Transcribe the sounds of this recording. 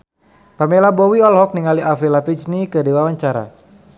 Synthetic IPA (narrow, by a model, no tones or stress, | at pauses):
pamɛlabɔwiɔlɦɔk̚niŋaliʔafilapit͡ʃnikədiwawaɲt͡ʃaɾa̰